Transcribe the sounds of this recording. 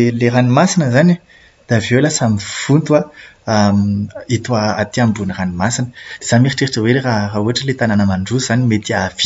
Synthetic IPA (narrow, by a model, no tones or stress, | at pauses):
leɾanimasinəzana | d̪̥avewlasamifunt̪uaamit̪uaat̪iambuniranimasinə̥d̪̥ez̥amiɾiʈ͡ʂeɾiʈ͡ʂəweɾrarauaʈ͡ʂəlet̪ananəmaɳɖ͡ʐuz̥animet̪iavi